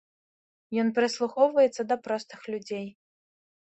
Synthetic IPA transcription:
jɔnpʲɾɨslˠuxɔwvɐjɛt̪sːɐd̪ɐpɾɔst̪ɨxlʲud͡zʲej

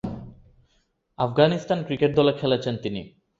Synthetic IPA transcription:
afɡanisʈankɾikeʈ̚d̪ɔlekʰɛlet͡ɕʰent̪inḭ

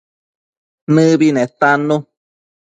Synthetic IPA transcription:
nɨ̃βinẽt̪anũ

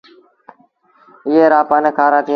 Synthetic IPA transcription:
ɪɦeːɾaːpaːneːkʰaːɾaːt̪iː

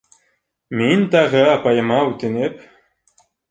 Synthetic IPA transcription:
mʲenʲt̪ɑʁɤɑpɑjɤ̆mɑut̪enep

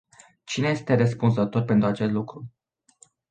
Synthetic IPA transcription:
t͡ʃineje̞st̪e̞rəspunzət̪o̞rpe̞nt̪ɾuat͡ʃe̞st̪lukɾu

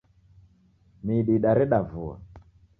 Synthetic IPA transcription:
miɗiɗaɾɛɗavua̰

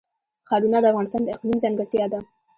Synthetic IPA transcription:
xɑɾunɑd̪əafɣɑnɪst̪ɑnd̪əɪqlimzɑŋɡəɾt̪jɑd̪a

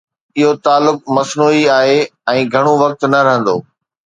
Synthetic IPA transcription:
ɪɦot̪aːlːʊk̚mɐsnuːiaːɦeɛ̃ːɡʱɐɽ̃oʋɐk̚t̪nɐɾɐɦə̃nd̪o̰ː

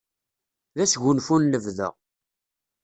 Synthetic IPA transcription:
ðæsʝʊnfunːəvðə̰ʁ

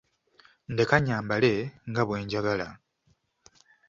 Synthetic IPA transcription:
ndekaɲaːmbale̞ŋɡaβwe̞ːɲɟaɡala

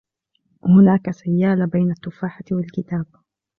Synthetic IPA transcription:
hʊnaːkasajːaːlabejnat̪ːʊfaːħat̪wɪlkɪt̪aːb

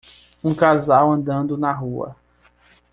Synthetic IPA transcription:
ũkazawɐ̃nd̪ɐ̃nd̪ʊnɐɦuɐ̰

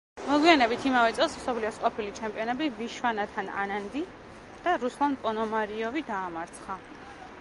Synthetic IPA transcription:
mɔɡwianɛbit̪ʰimavɛt̪sʼɛlˠsmsɔpʰliɔsqʼɔpʰilit͡ʃʰɛmpʼiɔnɛbiviʃwanat̪ʰana̰nand̪i | d̪̥aɾuslˠanpʼɔnɔmaɾiɔvid̪aːmaɾt̪sʰχa

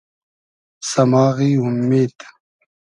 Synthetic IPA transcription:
sɐmaːɣiːumːeːd̪

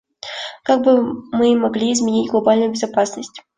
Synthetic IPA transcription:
kaɡ̚bɨmɨmɐɡlʲiːzmʲɪnʲitʲɡlˠɐbalʲnʊjʊbʲɪzapasnəsʲtʲ

